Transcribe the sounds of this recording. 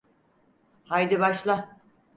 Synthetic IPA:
hajd̪ibaʃlˠa

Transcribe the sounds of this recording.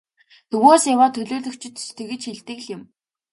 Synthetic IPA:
t̪ʰɵɣoːsjawaːt̪ʰɵɮʊːɮɵ̆kt͡ɕʰɪ̆t̪st̪ʰĕɣɘ̆t͡ɕxiɮt̪ɘ̆ɣɮɪ̆m

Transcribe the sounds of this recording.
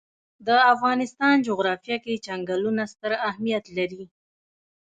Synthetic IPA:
d̪əafɣɑnɪst̪ɑnd͡ʒʊɣɾɑfijɑket͡ʃaŋɡalunast̪əɾahmijat̪laɾi

